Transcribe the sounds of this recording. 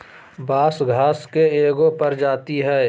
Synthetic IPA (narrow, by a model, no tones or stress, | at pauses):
baːsɡʱaːskeeːɡõpɐɾd͡ʒaːt̪iɦɛː